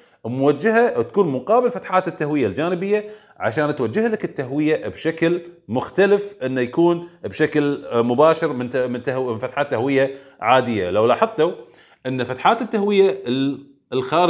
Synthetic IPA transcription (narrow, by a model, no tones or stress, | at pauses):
mʊwad͡ʒːahat̪ḁkuːnmʊqɑːbɪlfat̪ħaːt̪ɪt̪ːahwɪjːald͡ʒaːnɪbɪjːa | ʕa̰ʃaːnt̪wad͡ʒːɪhlakɪt̪ːaɦwɪjabʃaklmʊxt̪alɪfʔɪnːajakuːnbʃaklmʊbaːʃɪɾmɪnmɪnt̪mɪnfat̪ħaːt̪ːahwɪjːa | ʕaːd̪ɪjːa̰lawlɑːħɑðˤt̪a | ʔɪnːafat̪ħaːt̪ɪt̪ːahwɪjːa | lxaːɾ